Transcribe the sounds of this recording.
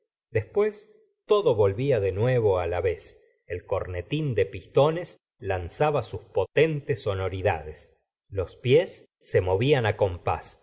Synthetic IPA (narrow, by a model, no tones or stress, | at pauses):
d̪espwes | t̪o̞ðoβo̞lβiaðenweβo̞alaβes | elko̞ɾnet̪ind̪epist̪o̞nes | lansaβasuspot̪e̞nt̪esonoɾiða̰ðes | lo̞spjesː | e̞mo̞βianako̞mpa̰s